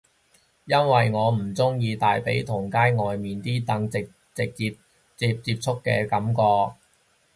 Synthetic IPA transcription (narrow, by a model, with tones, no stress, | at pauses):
jɐ˥nwɐ˨jŋɔː˨˧m̩˨˩t͡sʊ˥ŋjiː˧t̪aː˨jpe˨˥jt̪ʰʊ˨˩ŋkaː˥jŋɔː˨jmiː˨nt̪iː˥t̪ɐ˨˥ŋt͡sɪ˨k̚ | t͡sɪ˨k̚t͡si˧p | t͡siː˧p̚t͡siː˧p̚t͡ʃʰʊ˥kːɛ̰ː˧kɐ˨˥mkɔː˧k̚